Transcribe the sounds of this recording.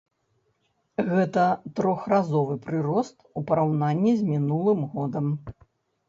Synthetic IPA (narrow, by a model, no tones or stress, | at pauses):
ɣɛt̪ɐt̪ɾɔxrazɔvɨpɾɨɾɔst̪upɐɾawnanʲːizʲmʲinulˠɨmɣɔd̪ɐm